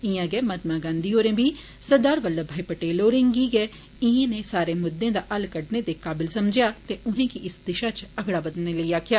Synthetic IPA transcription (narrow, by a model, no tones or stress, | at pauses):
ɪjãːɡɛːmət̪mãːɡãːnd̪iːoːɾẽːbiː | səd̪aːɾʋəlːəbʱaːiːpəʈeːloːɾẽːŋɡiːɡɛː | ɪẽːneːsaːɾeːmʊd̪ːẽːd̪aːʔəlkəɖneːd̪eːkaːbɪlsəmd͡ʒɪjaːt̪eːʊɦẽːkɪɪsd̪ɪʃaːt͡ʃəɡɽaːbəd̪neːləiːaːkʰjaː